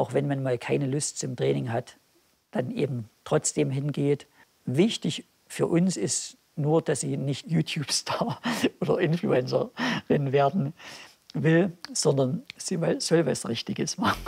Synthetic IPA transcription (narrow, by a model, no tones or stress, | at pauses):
ʔaʊxv̥ɛnmanmaːlkʰaɪnəlʊstt͡sʊmtʁ̥ɛːnɪŋɦat | d̥anʔḛːbm̩tʁ̥ɔt͡sd̥eːmɦɪnɡeːt | vɪçtɪç | fyːɐʔʊnsɪst | nuːɐd̥asziːnɪçtjuːtʰjuːpstʰaːɐʔoːdɐ̰ʔɪnflṵɛnt͡sɐ̰ʁɪnveːɐdn̩ | vɪlz̥ɔndɐnz̥iːvalz̥ɔlvasʁɪçtɪɡəsmaχn̩